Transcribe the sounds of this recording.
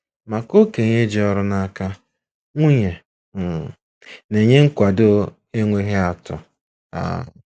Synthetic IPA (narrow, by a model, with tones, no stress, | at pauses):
ma˨ko˦ke˨ɲe˦d͡ʒi˨˦ɔ˦ɾʊ˦na˦ka˦ | ŋʷu˦ɲe˨ | m̩˨ | ne˨ɲe˦ŋ̩˦kʷa˨do˦ | e˦ŋʷe˦ɦe˦a˨tʊ̰˨ | a̰˨